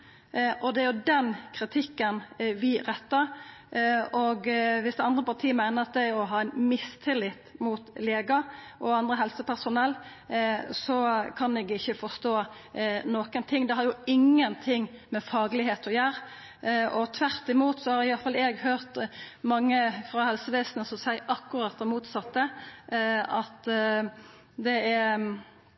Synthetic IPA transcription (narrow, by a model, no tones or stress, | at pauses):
ʔɔd̪ɛæɾjʊd̪ɛnkʰɾɪt̪ʰɪkːənʋɪɾɛt̪ːɑɾ | ɔɡʋɪsd̪ɛɑnd̪ɾəpɑʁt̪ʰiːəmæɪnəɑt̪̚d̪æɪɔɦɑːæɪnmɪst̪ʰɪlɪt̪ːmut̪leːɡɑʔɔɑnd̪ɾəɦɛlsəpʰæʁsʊnɛlː | sɔkʰɑnɛɡɪçːəfɔst̪oːnoːkənt̪ʰɪŋd̪ɛhɑɾjʊɪŋːənt̪ʰɪŋːmɛfɑːɡlɪɦeːt̪ɔjæːɾ | ɔt̪ʰʋæɾt̪ɪmuːt̪sɔhɑɾɪjɑlfɑlɛːɡhøːʁt̪mɑŋːəfɾɑhɛlsəʋeːsnəsɔmsæɪʔɑkːʊɾɑt̪̚ːd̪ɛmuːt̪sɑt̪ːə | ɑt̪ | d̪ɛæ